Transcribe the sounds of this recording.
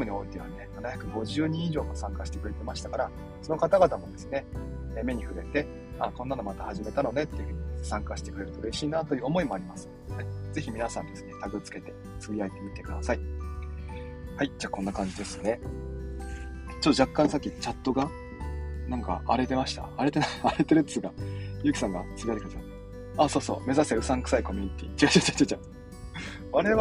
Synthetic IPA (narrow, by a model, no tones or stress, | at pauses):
mɯ̟ɲʲio̞it̪ːeɯnenanaçakɯ̟ɡo̞ʑɨːɲ̟ĩiʑo̞ːmosãŋkaɕi̥t̪e̞kɾe̞t̪e̞maɕi̥t̪akaɾa | so̞no̞kat̪aɡat̪amo̞d̪e̞sɨne̞eme̞ɲ̟iɸɯ̟ɾe̞t̪e̞ | akonːano̞mat̪ahaʑime̞t̪ano̞ne̞t̪ːeɯ̟ɸɯ̟ːɲ̟isãŋkaɕi̥t̪e̞kɯ̟ɾe̞ɾɯ̟t̪o̞ɯɾeɕiːnat̪o̞jɯ̟omo̞imo̞aɾʲimasɨ̥ | haize̞çimʲinasãnd̪e̞sɨ̥ne̞t̪aɡɯ̟t͡sɨ̥ke̞t̪e̞ | t͡sɨbʲiait̪e̞mʲit̪e̞kɯ̟d̪asai | haid͡ʑaːkõ̞nːakãɲd͡ʑid̪e̞sɨ̥ne̞ | t͡ɕot̪ːod͡ʑakːãɰ̃sakʲːit͡ɕat̪ːo̞ɡa | nãŋka̰ʔaɾe̞t̪e̞maɕi̥t̪a̰ːɾe̞t̪enaaɾe̞t̪e̞ɾɯ̟t̪ːɨɡajɯ̟ːkʲi̥sãŋɡa̰t͡sɨbʲiajt̪ekɯd̪aa | aːso̞ːso̞̰ːme̞zaseɯ̟sãŋkɯ̥saiko̞mʲiɲ̟it̪ʲḭːt͡ɕiɡaɕat͡ɕat͡ɕat͡ɕa | βaɾe̞β